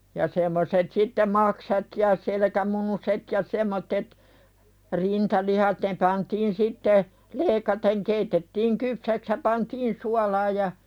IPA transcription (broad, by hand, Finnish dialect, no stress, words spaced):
jɑ semːoset sitːe mɑksɑt jɑ selekæmunuset jɑ semˑotːet rintɑlihɑt ne pɑntiːn sitːe leːĭkɑteŋ keitetːiːŋ kypsæks jɑ pɑntiːn suɑlɑj jɑ